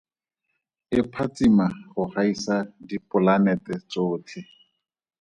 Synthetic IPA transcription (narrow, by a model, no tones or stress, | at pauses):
ɪpʰat͡simaχʊχaisadipʊlanɛtɛt͡soːtʰɪ